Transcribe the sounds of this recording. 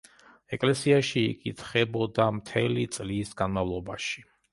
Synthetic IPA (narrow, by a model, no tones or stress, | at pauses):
ɛkʼlɛsiaʃḭːkʼit̪ʰχɛbɔd̪amt̪ʰɛlit̪sʼlisɡanmavlˠɔbaʃi̥